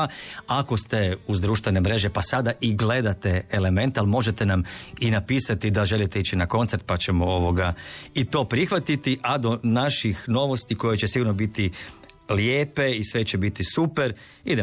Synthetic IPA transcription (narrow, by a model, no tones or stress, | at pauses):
ako̞st̪e̞uzd̪ɾuːʃt̪ʋene̞mɾe̞ʒe̞pasad̪aʔiɡle̞d̪at̪e̞ːle̞mẽ̞nt̪alˠmo̞ʒe̞t̪e̞naminapiːsat̪id̪aʒe̞lit̪eit͡ɕinako̞nt̪seɾt̪̚pat͡ɕemoo̞ʋo̞ɡait̪o̞ːpɾixʋat̪it̪iʔad̪o̞naʃixno̞ʋo̞st̪iko̞jet͡ɕesiɡuɾnobit̪i | ljeːpe̞isʋe̞t͡ɕebit̪isupe̞ɾ | id̪e